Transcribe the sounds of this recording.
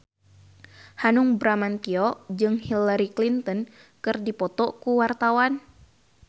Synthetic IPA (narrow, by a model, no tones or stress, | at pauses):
hanuŋbɾamant̪iɔd͡ʒɨŋhilaɾiklint̪ɔn | kɨrdipɔt̪ɔkuwart̪awan